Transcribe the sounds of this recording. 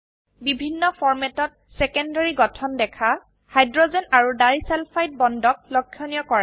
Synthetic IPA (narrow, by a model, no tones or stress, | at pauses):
bibʱinːɔpʰɔɹmɛtɔt̚ | sɛkɔndaɹiɡɔtʰɔndɛkʰa | hajdɹɔzɛnaɹudaɹisɛlpʰajt̚bɔndɔk̚lɔkʰːjɔnijɔkɔɹa